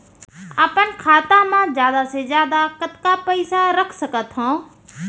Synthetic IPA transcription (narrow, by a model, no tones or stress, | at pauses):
aːpənkʰaːt̪ãmãzjaːd̪asezjaːd̪akət̪kapəɪsaɾəkʰsəkət̪ɦõː